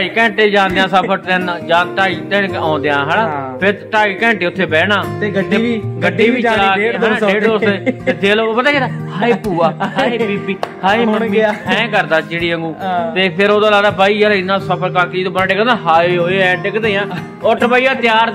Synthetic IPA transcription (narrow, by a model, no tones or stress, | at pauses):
aiːkɛ̃ːɳʈeːd͡ʒãːnd̪eãːsəpʰəʈt̪eːnd͡ʒãːʈaːiːt̪ɛːnkãːnd̪eãːɦɛːnãːpʰɪɾʈaːiːkɛ̃ːɳʈeːʊt̪ʰːeːbɛːnaːt̪eɡəɖːiːbiːəlaːeːɦeːʈoːsd̪eːt̪eːd̪eːloːpət̪aːkeːd̪aːhaːeːpuːaːɦaːeːbiːbiːhaːeːməmːiːɛ̃ːkəɾd̪aːd͡ʒeːɽiːəŋɡũːt̪eːpʰɪɾoːd̪aːlaːd̪aːbaːiːaːɾɪnːãːsəpʰəɾkaːked͡ʒiːd̪õːbənɖeːkəãːɦaːɦoːeɛ̃ːʈekd̪ejãː | ʊʈʰːbaːiːaːt̪jaːɾ